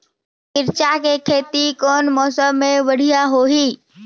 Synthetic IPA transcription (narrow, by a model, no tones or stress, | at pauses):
kɪɾt͡ʃakekʰeːt̪ikɔːnmɔːsəmːẽbəɽ̤ijaɦoɦiː